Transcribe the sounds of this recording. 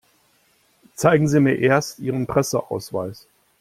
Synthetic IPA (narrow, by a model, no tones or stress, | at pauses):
t͡saɪɡŋ̩ziːmiːɐʔeːɐstʔiːʁ̞ənpʁ̥ɛsəʔa̰ʊsv̥a̰ɪs